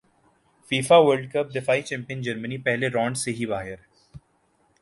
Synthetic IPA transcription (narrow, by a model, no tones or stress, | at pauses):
fiːfaʋəɾlɖ̚kəp̚d̪ɪfaːit͡ʃɛ̃ːmpijə̃nd͡ʒɐɾmənipɛɦleɾɔ̃ːɳɖseɦibaːɦɪɾɛ